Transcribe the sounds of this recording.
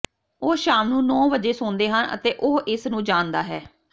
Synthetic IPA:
oːʃaːmnũːnɔːbəd͡ʒeːsʊːnd̪eːɦənə̰t̪eːʔoːʔɪsnũːd͡ʒaːnd̪a̰ːɦɛː

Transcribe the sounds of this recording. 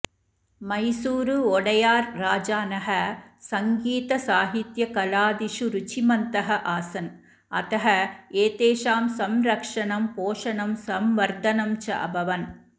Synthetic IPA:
mɐjsuːɾuɔɽɐjaːɾːaːd͡ʒaːnɐɦɐsɐŋɡiːt̪ɐsaːɦit̪jɐkɐlaːd̪iʂuɾut͡ʃimɐnt̪ɐɦɐʔaːsɐn | ɐt̪ɐɦɐeːt̪eːʃaːmsɐmɾɐkʂɐɳɐmpoːʂɐnɐmsɐmʋɐɾd̪ɐnɐmt͡ʃɐ̰ʔɐ̰bɐʋɐn

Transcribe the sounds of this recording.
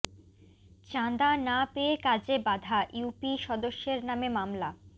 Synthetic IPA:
t͡ɕand̪anapeekad͡ʑebad̪ʱaʔjupiʃɔd̪oʃːeɾnamemamla

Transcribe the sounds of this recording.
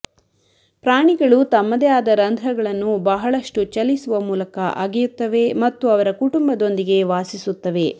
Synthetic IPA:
pɾaːɳiɡɐɭut̪ɐmːɐd̪ɛjaːd̪ɐɾɐnd̪ʱɾɐɡɐɭɐnːubɐɦɐɭɐʂʈut͡ʃɐlisuʋɐmuːlɐkɐʔa̰ːɡijut̪ːɐʋe̞mɐt̪ːuɐʋɐɾɐkuʈumbɐd̪o̞nd̪iɡe̞ʋaːsisut̪ːɐʋe̞

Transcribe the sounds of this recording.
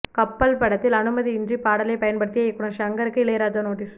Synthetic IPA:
kɐpːɐlpɐɽɐt̪ːɪlɐnɯmɐðiɪndripaːɽɐlɐɪpɐjɐnpɐɽɯt̪ːɪjɐɛkːɯɳɐʃɐŋɡɐɾɯkːɯɪɭɐjɪɾaːt̪ɐnoːʈiːs

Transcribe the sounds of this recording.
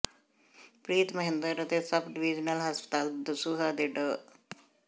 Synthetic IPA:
pɾiːt̪mɐɦẽnd̪əɾɐt̪esɐbɖiʋid͡ʒnɐlɦɐspə̥t̪aːld̪əsuɦad̪eɖə

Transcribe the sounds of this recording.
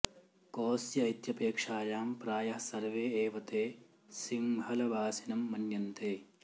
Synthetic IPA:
koːsjɐɐjt̪jɐpeːkʂaːjaːmpɾaːjɐɦɐsɐɾʋeːeːʋɐt̪eː | siŋɦɐlɐʋaːsinɐmːɐnjɐnt̪eː

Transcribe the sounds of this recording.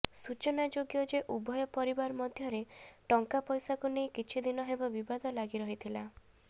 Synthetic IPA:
sut͡ʃɔnad͡ʒoɡjɔd͡ʒeʔubʱɔjɔpɔɾibaɾmɔd̪ʱjɔɾeʈɔŋkapɔjsakunejkit͡ʃʰid̪inɔɦebɔbibad̪ɔlaɡiɾɔɦit̪ʰila

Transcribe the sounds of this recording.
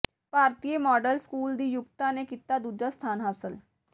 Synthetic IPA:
paɾt̪ijemɔɖəlskuːld̪iːjukt̪anekit̪ːad̪ud͡ʒast̪ʰanɦasəl

